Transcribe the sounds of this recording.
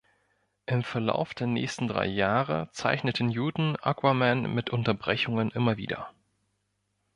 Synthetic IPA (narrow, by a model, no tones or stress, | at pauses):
ʔɪmfɛɐla̰ʊfd̥eːɐnɛ̰ːçstn̩dʁa̰ɪjaːʁə̰t͡sa̰ɪçnətʰən̩juːdn̩ʔa̰kʰwamɛnmɪtʔʊntɐbʁɛçʊŋənʔɪmɐvḭːdɐ̰